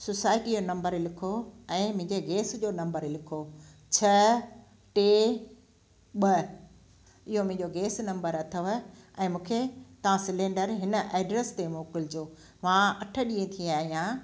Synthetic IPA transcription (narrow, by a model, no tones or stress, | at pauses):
sosaːɪʈid͡ʑonɐ̃mbəɾlɪkʰoɛ̃ːmʊ̃ɦɪ̃ɲd͡ʑeɡeːsd͡ʑoːnɐ̃mbəɾlɪkʰo | t͡ɕʰɐ | ʈeː | ɓə | ɪɦomʊ̃ɪ̃ɲd͡ʑoɡeːsnɐ̃mbəɾɐt̪ʰəʋɐɛ̃ːmũːkʰet̪ɐʋ̤ãsɪlẽːɳɖəɾɦɪnə̆ʔeːɖɾest̪emõːkɪld͡ʑoː | ʋãɐʈʰə̆ɗĩːẽt̪ʰiaːɦijãː